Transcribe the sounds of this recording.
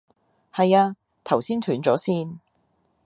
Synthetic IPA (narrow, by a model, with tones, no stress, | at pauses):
hɐ˨jaː˧ | t̪ʰɐ˨˩wsiː˥nt̪ʰyː˨˥nt͡sɔː˨˥siː˥˩n